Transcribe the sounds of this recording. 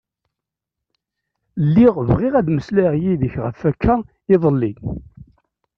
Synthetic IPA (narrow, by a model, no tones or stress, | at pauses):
lːiʁvʁɪʁæðməslæʁjiðəçʁəfækʰːæ | ɪðˤəlːi